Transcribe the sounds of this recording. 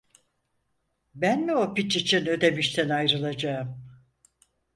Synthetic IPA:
bænmiopit͡ʃit͡ʃʰinø̞d̪e̞miʃt̪ʰɛnajɾɯlˠad͡ʒaːɯm

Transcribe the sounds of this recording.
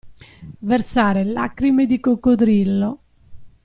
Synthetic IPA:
versaːɾela̰kɾimed̪ikokːod̪ɾilːo

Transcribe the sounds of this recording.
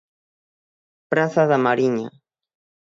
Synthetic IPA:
pɾasaðamaɾiɲa̰

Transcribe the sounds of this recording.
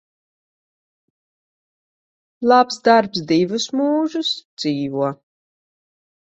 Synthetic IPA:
lˠapsd̪aɾpsd̪ivusmuːʒusd̪z̥iːvuɔ

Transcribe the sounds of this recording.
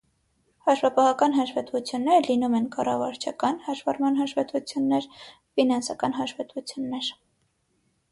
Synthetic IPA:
hɑʃvɑpɑhɑkɑnɦɑʃvɛt̪vut͡sʰjunːɛɾəlinumɛnkɑrɑvɑɾt͡ʃʰɑkɑnhɑʃvɑɾmɑnɦɑʃvɛt̪ut͡sʰjunːɛɾ | finɑnsɑkɑnɦɑʃvɛt̪vut͡sʰjunːɛɾ

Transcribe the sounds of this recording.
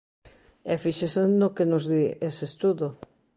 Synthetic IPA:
ɛfiʃesenokenozðiesest̪uðo

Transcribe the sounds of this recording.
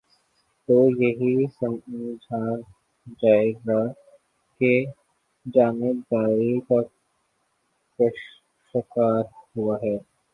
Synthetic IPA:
t̪oːjɐɦisɐ̃md͡ʒʱaːɾ | d͡ʒaːeɡa | ke | d͡ʒaːned̪aːɾikɔ | pəʃ | əkaːɾhuaɦɛː

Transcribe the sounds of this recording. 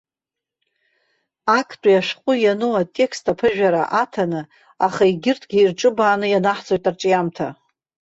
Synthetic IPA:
akʰtʷʼajaʂqʷʼʊjanɨwatʼe̞kʰstʰapʰɨʒᶣaɾa̰ʔatʰanɨ | aχaiɡʲɪrtʰʼɡʲiːrʈ͡ʂʼɨbaːnɨjanaħt͡sʼo̞jtʼarʈ͡ʂʼijamtʰa

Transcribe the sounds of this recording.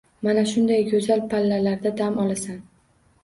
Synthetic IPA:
manaʃʊnd̪ajɡɵzalpʰalːalaɾd̪ad̪amɒlˠasan

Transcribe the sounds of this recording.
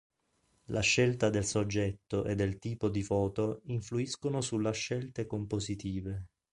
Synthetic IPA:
lʔa̰ʃːelt̪ad̪elsod͡ʒːɛt̪ːoʔed̪ːelt̪iːpod̪ifɔːt̪oiɱfluiskonosulːaʃːɛlt̪ekompozit̪iːve

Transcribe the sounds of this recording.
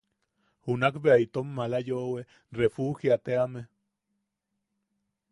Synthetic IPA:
hunakbeait̪omːalajowe | refuxiat̪eame

